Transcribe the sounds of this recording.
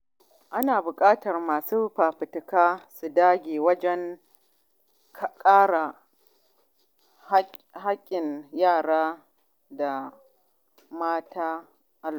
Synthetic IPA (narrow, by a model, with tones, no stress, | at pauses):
ʔa˦naː˨bʊ˨kʼaː˦tɐ˨rmaː˨suː˦ɸaː˨ɸɪ˨tɪ˨kaː˦su˨daː˦ɡʲeː˨wɐ˦d͡ʒɛ˦ŋ | kʼaː˦ɽa˨˦ | ɦa˦kʲʼːɪ˨njaː˦˨ɽaː˦ | da˨ | maː˦tʰaː˦ | ʔa˨˦l